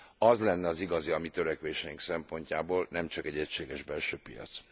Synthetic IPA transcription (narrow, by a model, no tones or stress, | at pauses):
ɒzlɛnːɛɒziɡɒziɒmit̪ø̞ɾɛkʋeːʃɛjiŋksɛmpo̞ɲcaːboːlnɛmt͡ʃɒkɛɟːɛcʃeːɡɛʒbɛlʃøːpijɒ̰t̪s